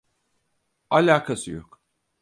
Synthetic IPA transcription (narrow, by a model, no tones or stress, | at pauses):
alʲaːkʰasɯjo̰k